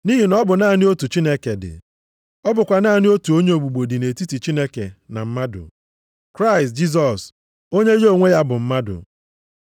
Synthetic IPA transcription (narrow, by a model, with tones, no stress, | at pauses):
ni˦ɦi˨nɔ˦bʊ˨naː˦˨nɪ˦o˦tu˨t͡ʃi˦ne˦ke˨dɪ̰˨ | ɔ˦bʊ˨kʷa˨naː˦˨nɪ˦o˦tu˨o˦ɲe˦o˨ɡ͡bu˨ɡ͡bo˨di˨ne˨ti˦ti˨t͡ʃi˦ne˦ke˨na̰˨m̩˦ma˦dʊ̰˨ | kɾa˦ɪ˨st̚d͡ʒi˦s̬ɔ˨s | o˦ɲe˦jo˨ŋʷe˦ja˦bʊ˨m̩˦ma˦dʊ̰˨